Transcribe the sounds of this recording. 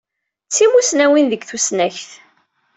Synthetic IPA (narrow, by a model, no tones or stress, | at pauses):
t͡sːimusnæwinðəɡθusnæçθ